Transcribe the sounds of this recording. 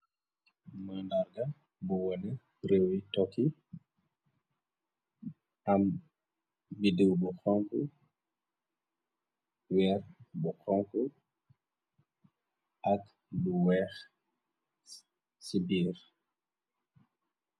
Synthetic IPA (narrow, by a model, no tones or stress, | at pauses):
mandaɾɡa | buwɔnɛ | ɾewitɔki | ʔam | bidiwbɔxɔŋku | wɛɾbɔkɔŋku | ʔak | buwɛx | sibiːɾ